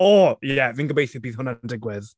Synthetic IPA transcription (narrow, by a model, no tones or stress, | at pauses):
ɔjɛvɪ̃ŋɡəbejθɪbiːðʊnəndɪɡwɪð̥